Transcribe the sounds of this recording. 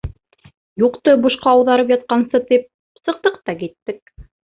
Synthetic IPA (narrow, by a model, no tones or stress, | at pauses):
juqt̪ɤbŭʃqɑːwðɑɾɤpjɑt̪̚qɑnsɤt̪ip̚ | sɤ̆q̚t̪ɤqt̪ɑkit̪ːɘk̚